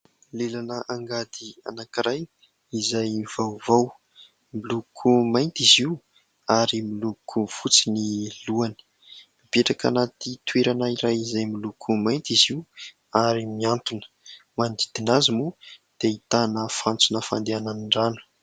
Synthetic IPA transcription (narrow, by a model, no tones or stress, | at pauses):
lelanəʔaŋɡad̪ia̰nakiɾaj | izajv̥awvaw | milukʰumajnt̪iziw | aɾimilukʰufut͡siniluanə̥ | ibeʈ͡ʂaka̰nat̪it̪weɾanaiɾajizajmilukʰumajnt̪iziw | aɾimiant̪unə̥ | mand̪id̪̥inazimud̪̥eit̪anəfant͡sunəfa̰nd̪eananiɳɖ͡ʐanu̥